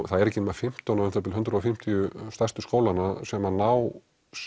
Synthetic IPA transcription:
θaðɛɾɛcɪnmafɪm̥t̪ɔnaʏnθat̪ɪlʏnt̪ɾʏɔfɪm̥t̪ʰijʏst̪ḁst̪ʏskoːwlanasɛmanaːw | s

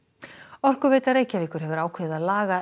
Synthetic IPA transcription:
ɔr̥kʏveːjt̪areːjcavɪkʏɾɦɛvʏɾaːwkʰeːɪðaðlaːɣa

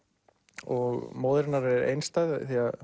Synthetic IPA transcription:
ɔɣmoːwðɾɪnaɾɛɾḛjnst̪ajðθiað

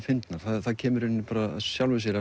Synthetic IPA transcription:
fɪnt̪naɾ̥θaðθaðcʰɛːmʏɾɪnːpaːɾaa̰sjawlvʏsjɛɾa

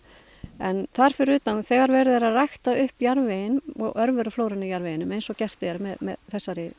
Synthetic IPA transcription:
ɛnθaɾ̥fɪɾʏːt̪anθɛːɣaɾvɛɾɪðɛɾaðrajxt̪aʏhpjaɾvejɪnɔ̰ɣœɾvœɾʏfloːwɾʏnɪjaɾvejɪnʏmejnsɔcɛr̥t̪ɪɛɾmɛðmɛ̰ðθɛsːaɾɪ

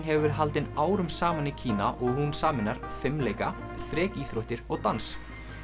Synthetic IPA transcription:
nɦɛvʏɾ̥ɦalt̪ɪnaːwɾʏmsaːmanicʰiːnaʔɔɣhunsaːmɪnːaɾ̥fɪmːleːjka | θɾɛːciːθɾoht̪ɪɾɔɣt̪ans

